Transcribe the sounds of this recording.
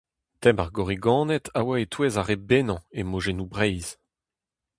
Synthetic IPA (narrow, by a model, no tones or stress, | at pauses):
t̪ɛmaʁɡɔʁiɡɑ̃ːnɛt̪ʰawaet̪weːzaʁebenɑ̃emoʒenubʁɛjz̥